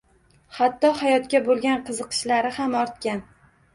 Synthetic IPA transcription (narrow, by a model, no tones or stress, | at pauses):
hat̪ːɒhajɒt̪kʲabolˠɡʲanqʰɨzɨqʰɨ̥ʃlaɾɪhamɒɾt̪kʲan